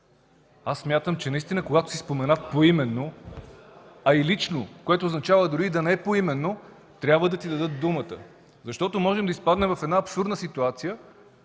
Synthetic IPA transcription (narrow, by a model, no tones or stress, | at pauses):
asːmʲjat̪əmt͡ʃɛnɐist̪inəkoɡat̪o̥sispomɛnafpoimɛnːo | ɐilit͡ʃnokoɛt̪oːznɐt͡ʃavəd̪ʊɾid̪ɐnɛɛpoimɛnːo | t̪ɾʲabvəd̪ɐt̪id̪ɐd̪ɤt̪̚d̪umət̪ə̰ | zɐʃt̪ɔt̪omɔʒɛmd̪ɐispad̪nɛmvɐfɛd̪naɐpsuɾd̪nəsit̪uat̪sijə